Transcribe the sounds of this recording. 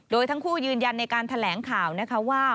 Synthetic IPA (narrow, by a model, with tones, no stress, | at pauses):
doː˧jt̪ʰa˦˥ŋkʰuː˥˩jɯː˧nja˧nːa˧jkaː˧nt̪ʰa˧lɛː˩˦ŋkʰaː˨˩wna˦˥kʰa˦˥waː˥˩